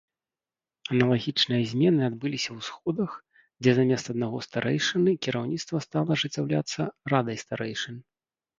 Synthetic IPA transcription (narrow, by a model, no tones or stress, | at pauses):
ɐnɐlˠaɣʲit͡ʂnɨjɐzʲmʲɛnɨad̪bɨlʲisʲɐwsxɔd̪ɐx | d͡zʲɛzamʲɛst̪ɐd̪naɣɔst̪aɾʔɛjʂɨnɨkʲiɾawnʲit̪st̪vɐst̪alˠɐʐɨt͡sʲːawlʲa̰t̪sːɐrad̪ɐjst̪aɾɛjʂɨnɨ